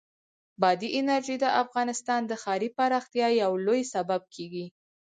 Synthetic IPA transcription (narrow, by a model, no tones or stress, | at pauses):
bɑd̪iʔɪnaɾʒid̪əʔafɣɑnɪst̪ɑnd̪əxɑɾipaɾɑxt̪jɑjawlojsabab̚kʰeɡi